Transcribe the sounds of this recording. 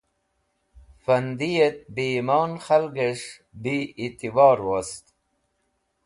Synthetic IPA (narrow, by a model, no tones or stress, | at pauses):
fɐnd̪ijet̪̚bimɑːnxalɡeʂ | biit̪ivɑːɾwost̪